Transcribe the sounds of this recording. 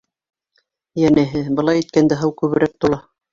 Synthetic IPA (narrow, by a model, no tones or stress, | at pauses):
jænɘ̆ɦɘbɤ̆lˠɑjit̪̚kænd̪æɦɤwkʉβɘ̆ɾæk̚t̪ulˠɑ